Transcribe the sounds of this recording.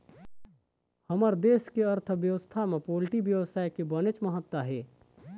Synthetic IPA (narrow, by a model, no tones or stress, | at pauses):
həməɾd̪eːskeəɾt̪ʰəʋjəʋəst̪ʰamẽpoːlʈiʋjəʋəsaːjkebənet͡ʃməɦət̪ːwaɦɛː